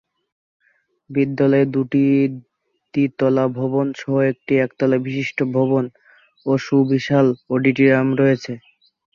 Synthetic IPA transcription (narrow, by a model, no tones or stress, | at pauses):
bid̪ːalɔed̪uʈi | tit̪ɔlabʱobonʃʰɔɦoek̚ʈiɛkt̪ɔlabiʃiʃʈobʱɔbon | oʃubiʃaloɖiʈiɾamɾɔet͡ɕʰe